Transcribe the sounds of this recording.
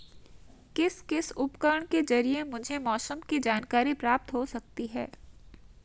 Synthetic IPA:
kɪskɪsʊpkəɾɳ̃kezɐɾiemʊd͡ʒʱemɔːsəmkid͡ʒaːnkaːɾipɾaːp̚t̪ɦosɐk̚t̪iɦɛ̰ː

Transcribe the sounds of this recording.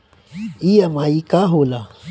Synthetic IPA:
ijamaikaɦola

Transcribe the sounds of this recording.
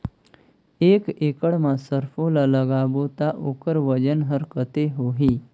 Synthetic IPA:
ekekəɽmasəɾfolaləɡabot̪aʔokəɾʋəd͡ʑənɦəɾkət̪eɦoɦiː

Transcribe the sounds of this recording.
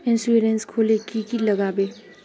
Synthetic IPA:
ɪ̃nsueɾenskʰoːlekikiləɡaːbe

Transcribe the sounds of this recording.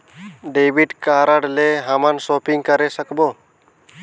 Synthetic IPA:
ɖebiɖkaɾəɽleɦamansɔpiŋɡkəɾesəkbo

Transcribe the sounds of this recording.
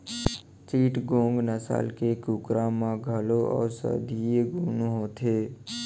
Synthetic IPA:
t͡ʃiːʈɡõːŋɡnəsa̰ːlkekuːkɾamãɡʱəloɔ̰ːɾsə̰d̪ʱieɡʱuːnoɦot̪ʰeː

